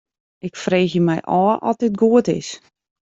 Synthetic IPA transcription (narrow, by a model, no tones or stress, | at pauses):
ʔɪkfreːxjəmɛjʔɔːəʔɔtɪt̚ɡuətɪ̰s